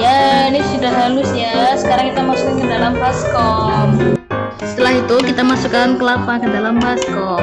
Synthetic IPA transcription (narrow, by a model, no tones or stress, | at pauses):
janisudaɦɦalʊsjasə̥kaɾaŋkit̪amasukankədalambaskɔp̚ | sə̥t̪əlaɦit̪ukit̪amasukankəlapakədalambaskɔ